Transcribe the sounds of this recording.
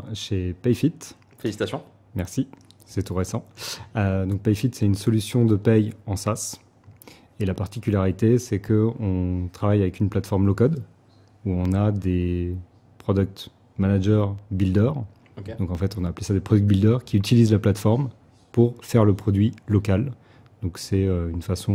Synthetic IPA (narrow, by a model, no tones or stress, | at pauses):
ʃepɛjfit̪ | eisit̪asjɔ̃ | mɛʁsi | sɛt̪uʁesɑ̃ød̪ɔ̃k̚pɛjfit̪sɛt̪ynsɔlysjɔ̃d̪əpɛjɑ̃sas | elapaʁt̪ikʲylaʁit̪esɛkʰəɔ̃t̪χavajavɛkynplat̪fɔʁmlɔkɔd̪ | uɔ̃nad̪e | pχɔd̪yk̚t̪ | manaʒœʁbild̪œʁ | d̪ɔ̃kɑ̃fɛt̪ɔ̃naːplesad̪epχɔd̪yk̚t̪̚bild̪œʁkʲiyt̪ilizlaplat̪fɔʁm | puʁfɛʁləpχɔd̪ɥilɔkal | d̪̥ɔ̃ksɛøynfasɔ̃